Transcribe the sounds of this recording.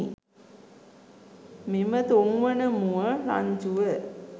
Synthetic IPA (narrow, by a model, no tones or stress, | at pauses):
mimət̪oŋʋənəmuəla̰ɲd͡ʒuʋə